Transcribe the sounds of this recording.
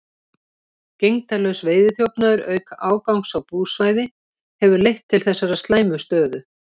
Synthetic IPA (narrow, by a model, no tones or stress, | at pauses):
cejŋt̪alœɥsveːjðɪθjowpnaðʏɾœːɥkaʔaːwkawŋksawpuːsvaːjðɪ | hɛvʏɾlejht̪ʰːɪlθɛsːaɾast̪laːjmʏst̪œːðʏ